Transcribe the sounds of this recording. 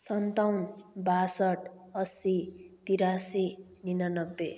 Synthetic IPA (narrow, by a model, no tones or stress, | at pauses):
sʌnt̪awnbasʌʈ | ʌsit̪iɾasi | ninanʌbːe